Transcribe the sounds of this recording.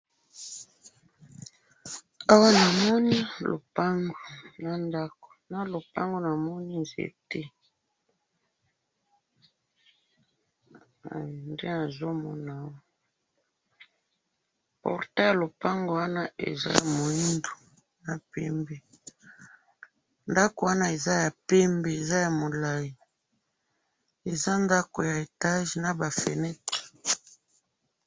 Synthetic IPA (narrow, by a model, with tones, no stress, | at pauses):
a˦wa˦na˨mɔ˦ni˦lo̰˨pa˦ŋɡo˨na˨nda˦ko̥˨na˦lo˨pa˦ŋɡo˦na˨mɔ˦ni˦zḛ˨te˦˨ | nde˦na˨zo˦mɔ˦na˨˦wa˦ | pɔ̰˨ʁtɛ˦ja˨lo˨pa˦ŋɡo˨wa˦na˦ḛ˨za̰˦ja˨mo˨i˦ndo˨ | na˨pɛ˦mbe˨ | nda˦ko˨wa˦na˦e˨za˦ja˨pe˦mbe˨e˨za˦ja˨mo˨la˨ji˨ | e˨za˦nda˦ko˨ja˨e˨ta˦ʒna˨ba˨fḛ˨nɛ˦te̥˨